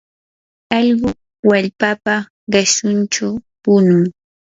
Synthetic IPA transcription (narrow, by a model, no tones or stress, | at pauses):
ɑʎɢʊ | waʎpapa | ɢesʊnt͡ʃapʊnʊŋ